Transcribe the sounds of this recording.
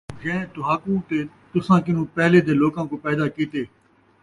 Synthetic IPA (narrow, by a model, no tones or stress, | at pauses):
d͡ʒɛ̃ːt̪ʊɦaːkũːt̪eː | t̪ʊsãːkɪn̤ũːpɛːleːd̪eːloːkãːkoːpɛːd̪aːkiːt̪eː